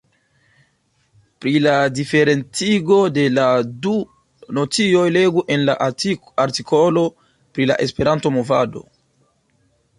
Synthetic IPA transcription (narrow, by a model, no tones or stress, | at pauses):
pɾiladife̞ɾe̞nt͡siɡo̞de̞ladu | no̞t͡sio̞jle̞ɡuʔe̞nla | aɾtikʰolo̞ | pɾila̰ʔe̞spe̞ɾanto̞mo̞va̰do̞̰